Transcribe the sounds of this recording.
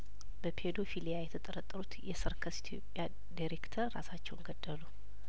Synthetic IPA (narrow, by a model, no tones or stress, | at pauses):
b̥əpʰed̪o̞filijajɛt̪ʰət̪ʼəɾət̪ʼːɾut̪jɛsɨɾkʰəsi̥t̪ʰjo̞̰pʼːja | d̪iɾekt̪ʰəɾːa̰sat͡ʃːɛwnɡəd̪ːəlu